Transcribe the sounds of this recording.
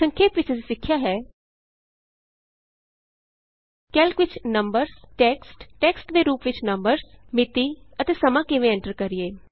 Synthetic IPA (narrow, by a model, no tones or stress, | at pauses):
ə̃ŋkʰeːpʋɪt͡ʃsɪkʰːjaːɦɛː | kɛːlkʋɪt͡ʃnəmbəɾzʈɛːksʈʈɛːksʈd̪eːɾuːpʋɪt͡ʃnəmbəɾzmɪt̪iːət̪eːsəmãːkɪʋẽːɛ̃ɳʈəɾkəɾieː